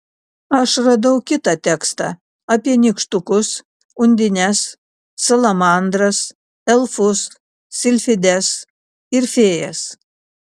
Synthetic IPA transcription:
ɐʃɾɐd̪ɐʊkʲɪt̪ɑt̪ʲɛkst̪ɑ̰ | ɐpʲiɛnʲɪkʃt̪ʊkʊs | ʊnʲd̪ʲɪnʲɛsː | ɐlˠɐmɑˑnd̪ɾɐs | ɛlˠfʊsːʲ | ɪlʲfʲɪd̪ʲɛs | ɪɾfʲeːjɛs

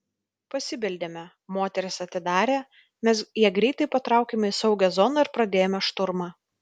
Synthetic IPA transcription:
pɐsʲɪbʲɪlʲd̪ʲeːmʲɛ | moːt̪ʲɛɾʲɪsɐt̪ʲɪd̪ɑːɾʲeː | mʲɛs̬jiɛɡɾʲɛɪt̪ɐɪpɐt̪ɾɑˑʊkʲeːmʲɛɪsɒʊɡʲɛzɔnɐɪɾpɾɐd̪ʲeːjomʲɛʃt̪ʊɾmɑ

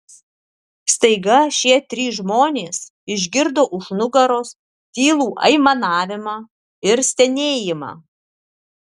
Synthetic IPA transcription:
st̪ɐɪɡɐʃʲiɛt̪ʲɾʲiːsʒmoːnʲeːs | ɪʒʲɡʲɪɾd̪oːʔʊʃnʊɡɐɾoːs | t̪ʲiːlˠuːʔɐ̰ɪmɐnɑːʋʲɪmɑː | ɪɾsʲt̪ʲɛnʲeːjɪmɑ̰ː

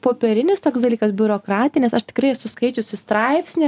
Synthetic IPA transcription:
poːpʲɛɾʲɪnʲɪst̪oːksd̪ɐlʲiːkɐsbʲʊɾoːkɾɑːt̪ʲɪnʲɪsɐʃt̪ʲɪ̥kɾɐɪɛsʊskɐɪt͡ʃʲʊsʲɪst̪ɾɐɪpʲsʲnʲɪ

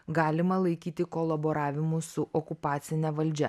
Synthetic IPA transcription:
ɡɑːlʲɪmɐlˠɐɪkʲiːt̪ʲɪkɔːlˠɐbɔɾɑːʋʲɪmʊsʊʔɔkʊpɑːt̪sʲɪnʲɛʋɐlʲd͡ʒʲɛ

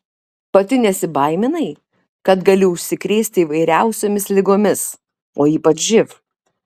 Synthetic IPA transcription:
pɐt̪ʲɪnʲɛsʲɪbɐɪmʲɪnɐɪ | kɐt̪ɡɐlʲɪʊʃʲsʲɪkɾʲeːsʲt̪ʲɪiːʋɐɪɾʲæʊsʲoːmʲɪslʲɪɡoːmʲɪs | oːiːpɐt͡ʃʒʲɪf

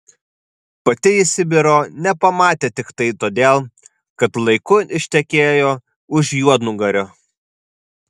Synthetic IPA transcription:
pɐt̪ʲɪɪsʲɪbʲɪɾoːnʲɛpɐmɑːt̪ʲeːt̪ʲɪkt̪ɐɪt̪oːd̪ʲeːlˠ | kɐt̪lˠɐɪkʊɪʃʲt̪ʲɛkʲeːjoː | ʊʃjuɔd̪nʊɡɐɾʲoː

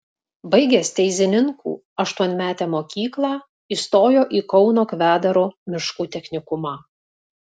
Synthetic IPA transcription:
bɐɪɡʲɛːsʲt̪ʲɛɪzʲɪnʲɪŋkṵː | ɐʃt̪uɔnʲmʲæːt̪ʲɛːmoːkʲiːklˠɑː | iːst̪oːjoːʔiːkɒʊnoːkʋʲæːd̪ɐɾoːmʲɪʃkuːt̪ʲɛxʲnʲɪkʊmɑː

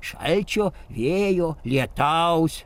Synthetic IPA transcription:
ʃa̰lt͡ʃoʋʲeːjolʲjet̪aws

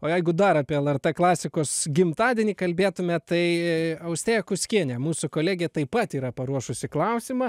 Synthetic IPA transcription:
oːjɛɪɡʊd̪ɐɾɑːpʲiɛɛlˠɛrt̪ɛːklˠɑːsʲɪkoːsɡʲɪmt̪ɑːd̪ʲɛnʲiːkɐlʲbʲeːt̪ʊmʲɛt̪ɐɪɐʊsʲt̪ʲeːjɛkʊsʲkʲiɛnʲɛmuːsʊkoːlʲeːɡʲeɛt̪ɐɪppːɐt̪iːɾɐpɐɾuɔʃʊsʲɪklˠɐʊsʲiːmɐ

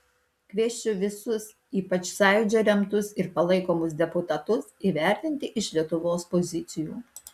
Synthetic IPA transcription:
kʋʲiɛʃʲt͡ʃʲʊʋʲɪsʊs | iːpɐt͡ʃsɑˑɪd͡ʒʲoːɾʲɛmt̪ʊsɪɾpɐlˠɐɪkoːmʊs̬d̪ʲɛpʊt̪ɐt̪ʊsiʋʲæˑɾʲt̪ʲɪnʲt̪ʲɪʔɪʃlʲiɛt̪ʊʋoːspozʲɪt̪sʲɪjuː

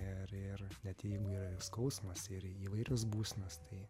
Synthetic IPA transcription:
ɪɾɪrnʲɛɐt̪ʲeːjɪmuːiɾskɒʊsmɐsɪɾiːʋɐɪɾʲʊs̬buːsʲnʲost̪ɐɪ

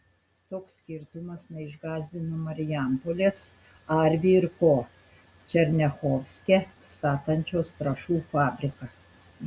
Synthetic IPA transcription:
t̪oːksʲːkʲɪɾt̪ʊmɐsnʲɛɪʒɡɑːzʲd̪ʲɪnɐmɐɾʲɪjæˑmpolʲeːs | ɑɾʲʋʲiɪɾkoː | t͡ʃʲɛɾʲnʲɛxɔːʋʲsʲkʲɛst̪ɑːt̪ɐnʲt͡ʃʲoːst̪ɾɐʃuːfɑːbʲɾʲɪkɐ

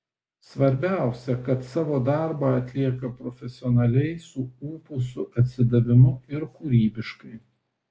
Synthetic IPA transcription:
sʋɐɾʲbʲæˑʊsʲɛkɐt̪sɑːʋoːd̪ɑˑɾbɑɐt̪ʲlʲiɛkɐpɾɔfʲɛsʲɪɔnɐlʲɛɪsʊuːpʊsʊʔɐt̪ʲsʲɪd̪ɐʋʲɪmʊɪɾkuːɾʲiːbʲɪʃkɐɪ

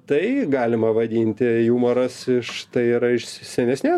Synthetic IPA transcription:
t̪ɐɪɡɑːlʲɪmɐʋɐd̪ʲiːnʲt̪ʲɪjuːmɐɾɐsɪʃt̪ɐɪiɾɐɪʃssʲɛnʲɛsʲnʲæː

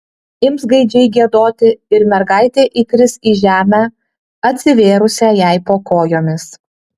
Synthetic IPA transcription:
ɪmsɡɐɪd͡ʒʲɛɪɡʲiɛd̪oːt̪ʲɪɪɾmʲɛɾɡɐɪt̪ʲeːʔiːt̪ʲɾʲɪsiːʒʲæːmʲæː | ɐt̪ʲsʲɪʋʲeːɾʊsʲɛjɛɪpoːkoːjoːmʲɪs

